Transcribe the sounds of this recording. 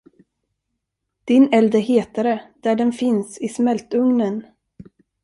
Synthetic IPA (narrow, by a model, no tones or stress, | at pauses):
d̪̥ɪnɛld̪əɦeːt̪aɾəd̪̥æɖɛnfɪnsɪsmɛlt̪ɵŋnən